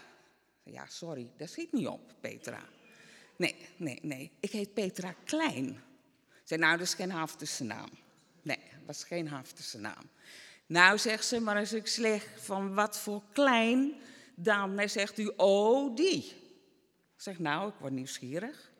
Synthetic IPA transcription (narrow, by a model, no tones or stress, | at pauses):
ja̰sɔɾidɔsxit̚niɔ̰p̚pḛːtra̰ | nenḛːneːɪkheːt̚peːtrakʰlɛjn | sɛnawdɔɪsxeːnhaftəsəna̰ːm | neʋɔsxeːnɦaftə̥səna̰ːm | nawsɛxtsəmaɾɛsɪkslɛxfɔnʋɔtfoːklɛjndɔnɛsɛxtyʔodi | sɛxnawɪkʋɔniwsxiəɾəx